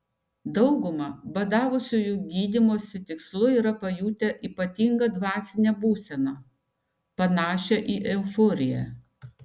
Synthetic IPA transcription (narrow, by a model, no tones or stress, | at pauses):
d̪ɒʊɡʊmɐbɐd̪ɑːʋʊsʲuːjuːɡʲiːd̪ʲɪmoːsʲɪt̪ʲɪkslˠʊiːɾɐpɐjuːt̪ʲɛʔiːpɐt̪ʲiŋɡɐd̪ʋɑːsʲɪnʲɛbuːsʲɛnɑ | pɐnɑːʃʲɛʔiːʔɛʊfɔːɾʲɪjɛ̰